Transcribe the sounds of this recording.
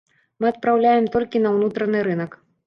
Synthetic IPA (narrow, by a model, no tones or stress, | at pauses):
mɨɐt̪̚pɾawlʲajɛmt̪ɔlʲkʲinɐwnut̪ɾɐnɨɾɨnɐk